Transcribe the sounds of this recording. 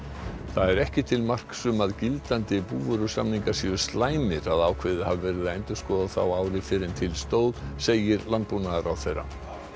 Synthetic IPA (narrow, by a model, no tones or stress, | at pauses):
θaðɛɾɛhcɪt̪ʰɪlmar̥ksʏmaðcɪlt̪ant̪ɪpuːvʏɾʏsa̰mniŋkasivʏ̥st̪laːjmɪɾaðaːwkʰvɪðɪhavvɛːɾɪðaejnt̪ʏ̥skɔːðaθa̰waːwɾɪfɪɾɪnt̪ʰɪlst̪oːwðseːjɪɾlant̪̚punaðaɾawθejrːa̰